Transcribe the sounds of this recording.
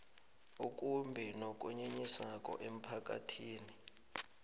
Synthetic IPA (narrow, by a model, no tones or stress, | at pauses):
uk̬ʼumbʱinok̬ʼuɲeɲisak̬ʼɔ̰ʔem̩pʰak̬ʼa̰tʰiːni